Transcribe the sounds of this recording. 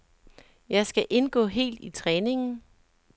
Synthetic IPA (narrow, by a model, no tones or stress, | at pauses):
jɑ̈ɪsɡ̥æʔe̝nɡ̥ɔ̰̽ːɦe̝̰ːld̥it͡sʰʁɛːne̝ŋn̩